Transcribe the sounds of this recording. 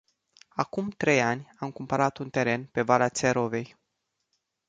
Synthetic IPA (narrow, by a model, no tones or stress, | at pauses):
akumt̪ɾe̞janʲamkumpəɾat̪unt̪e̞ɾe̞npe̞valat̪seɾo̞ve̞j